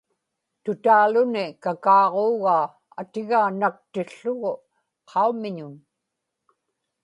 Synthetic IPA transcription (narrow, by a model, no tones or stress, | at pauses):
t̪ʊt̪aːlʊnɪkakɑːʁoːɣaː | a̰t̪ɪɣaːnak̚t̪ɪɬːʊɣʊ | qʰɑumɪɲʊn